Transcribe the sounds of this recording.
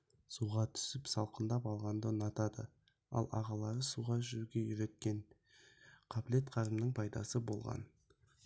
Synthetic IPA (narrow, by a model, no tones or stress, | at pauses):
suʁɑt̪ʰʏ̥sɪpsɑlˠqənd̪ɑpɑlˠʁɑnd̪ənɑt̪ɑd̪ə̰ | ɑ̰lˠʔɑ̰ʁɑlˠɑɾəsuʁɑʒʏɾuɡʲe̞jʏɾe̞t̪̚kʲe̞ɴ | qʰɑble̞t̪qʰɑɾəmnəɴpʰɑjd̪ɑ̰səbo̞̰lˠʁɑ̰n